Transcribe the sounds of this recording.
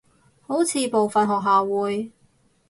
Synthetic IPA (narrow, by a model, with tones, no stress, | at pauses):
ho˨˥wt͡sʰiː˧po˨wfɐ˨nɦɔː˨k̚ɦaː˨wuː˨˧j